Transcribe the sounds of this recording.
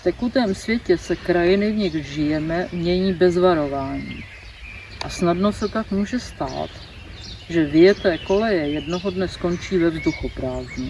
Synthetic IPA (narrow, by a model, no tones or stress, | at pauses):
ft̪ɛkut̪ɛːmsvjɛcɛsɛkɾajɪnɪvɲɪɣʒɪjɛmɛmɲɛɲiːbɛzvaɾo̞vaːɲḭː | ʔasnadno̞sɛt̪akmuːʒɛst̪a̰ːt̪ | ʒɛvɪjɛt̪ɛːko̞lɛjɛjɛdno̞ɦo̞dnɛsko̞nt͡ʃiːvɛvzduxupɾaːzɲɛ